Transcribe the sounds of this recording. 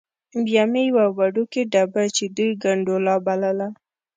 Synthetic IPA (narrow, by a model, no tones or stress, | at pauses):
mbjamejwawaɖokeɖabat͡ʃed̪ujɡaɳɖolɑbalala